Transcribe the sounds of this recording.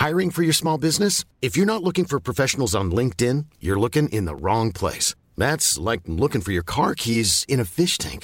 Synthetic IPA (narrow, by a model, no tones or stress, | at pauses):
haɪɹɪ̃ŋfə˞jə˞smɔlˠbɪznɨs | ɨfjə˞nətˡlʊkɪ̃ŋfə˞pʰɹ̥ɔfɛʃn̩l̩ˠzn̩lɪ̃ŋk̚tɪ̃njə˞lʊkɪ̃ŋʔɪ̰̃nðə̰ɹɔ̃ŋpʰl̥ḛɪs | ðætslaɪk̚lʊkɪ̃ŋfə˞jə˞kʰɑɹkʰizɨ̃ñɨfɪʃtʰæ̰̃ŋk